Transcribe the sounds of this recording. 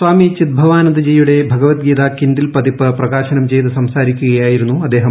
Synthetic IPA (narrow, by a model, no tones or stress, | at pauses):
swaːmit͡ɕid̪̚bʱɐʋaːnɐnd̪ɐd͡ʑejuɽe̞bʱɐɡɐʋɐt̪̚ɡiːt̪aːkinɖilpɐd̪ipɐprɐɣaːɕɐnɐmt͡ɕe̞jt̪ɨsɐmsaːɾikʲːuɣɐjaːjiɾunːuɐd̪ːeːɦɐm